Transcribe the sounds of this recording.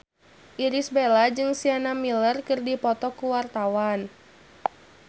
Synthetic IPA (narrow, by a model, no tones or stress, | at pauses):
ʔiɾisbelad͡ʒɨŋsianamilərkɨrdipɔt̪ɔkuwart̪awan